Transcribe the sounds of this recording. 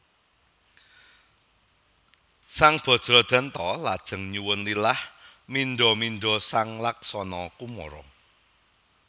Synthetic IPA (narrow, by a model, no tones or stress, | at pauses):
saŋb̥ɔ̤d̥ʒ̥ɾɔ̤d̪̥ä̤nt̪ɔlad̥ʒ̥ə̤ŋɲuwʊnlilahminɖ̪ɔminɖɔsaŋlaksɔnɔkumɔ̰ɾɔ̰